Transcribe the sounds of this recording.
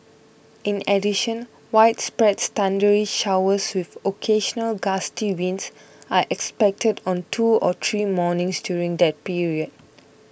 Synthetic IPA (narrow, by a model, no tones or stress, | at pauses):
ĩnɛdiʃə̃n | waɪtspɹɛtstãndəɹiʃawəswivokʰeʃənəlɡastiwĩns | aʔɛkspɛk̚tʰədɔ̃ntʰuɔt̪ʰɹiːmɔnɪ̃ŋsdjuɹĩŋd̪ɛt̚piɹiəd̥̚